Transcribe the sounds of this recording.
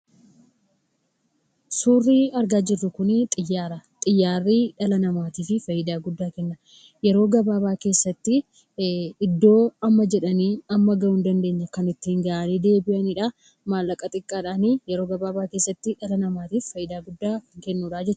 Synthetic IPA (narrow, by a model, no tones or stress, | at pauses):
suːrːiːɐɾɡaːd͡ʒɪrːʊkʊnɪt̪ʼɪjːaːɾɐt̪ʼɪjːaːrːiːᶑɐlɐnɐmaːt̪iːfɪfɐjɪd̪aːɡʊd̪ːaːkɛnːɐ | jɛɾo̞ːɡɐbaːβaːke̞ːsːɐt̪ːɪ | ɪd̪ːo̞ːɐmːɐd͡ʒɛᶑɐniːɐmːɐɡɐʊnd̪ɐnd̪e̞ːɲːɐkɐnɪt̪ːɪhɪŋɡɐʔɐniːd̪e̞ːbɪʔɐnɪᶑa | maːlːɐkʼɐt̪ʼɪkʼːaːᶑaːniːjɛɾo̞ːɡɐbaːbaːke̞ːsːɐt̪ːɪᶑɐlɐnɐmaːt̪iːffɐjɪd̪aːɡʊd̪ːaːkɛnːuːᶑaːd͡ʒɛt͡ʃt͡ʃːʊ̥